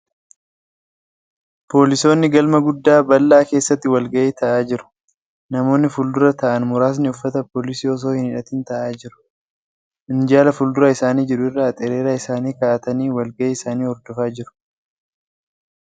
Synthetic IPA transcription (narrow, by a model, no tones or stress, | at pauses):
po̞ːlɪso̞ːnːɪɡɐlmɐɡʊd̪ːaːbɐlːaːke̞ːsːɐt̪ːɪwɐlɡɐʔeːt̪ɐʔaːd͡ʒɪɾʊ̥ | nɐmo̞ːnːɪfʊld̪ʊɾɐt̪ɐʔɐnmʊɾaːs̬nɪʊfːɐt̪ɐpo̞ːlɪsiːɔs̬o̞ːhɪnɪᶑɐt̪ɪnt̪ɐʔaːd͡ʒɪɾʊ̥ | ʔɪnd͡ʒaːlɐfʊld̪ʊɾɐɪsaːniːd͡ʒɪɾʊɪrːaːt̪ʼɛɾe̞ːɾaɪsaːniːkaʔɐt̪ɐniːwɐlɡɐʔːɪsaːniːɔɾd̪ɔfaːd͡ʒɪɾʊ̥